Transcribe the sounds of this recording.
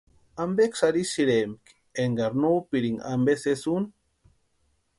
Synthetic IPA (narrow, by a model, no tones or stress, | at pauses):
ambeksaɾisiɾemk | eŋɡaɾnoːpiɾiŋa̰mbesesun